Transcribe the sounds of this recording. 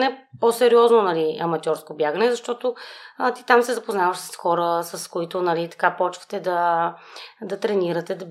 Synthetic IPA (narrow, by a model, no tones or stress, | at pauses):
nɛposɛɾiɔznonɐliɐmɐt̪ʲjɔɾskobjaɡənɛzɐʃt̪ɔt̪ot̪it̪amsɛzɐpoznavəʃsə̥sxɔɾəsɐskoit̪ʊnɐlit̪ɐ̥kapɔt͡ʃvə̥t̪ɛd̪ɐ | d̪ɐt̪ɾɛniɾət̪ɛd̪ɐ